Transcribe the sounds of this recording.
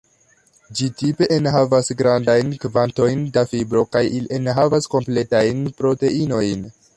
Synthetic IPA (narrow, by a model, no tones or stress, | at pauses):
d͡ʒitipe̞ʔenɦavasɡɾandajnkvanto̞jndafibɾo̞kajiliʔenɦavasko̞mple̞tajnpɾo̞te̞ino̞jn